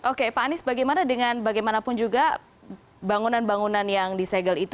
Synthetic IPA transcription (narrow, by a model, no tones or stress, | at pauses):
ʔokepaːnɪsbaɡajmanadəŋanbaɡajmanapʊnd͡ʒuɡa | baŋunanbaŋunanjaŋdisɛɡəlit̪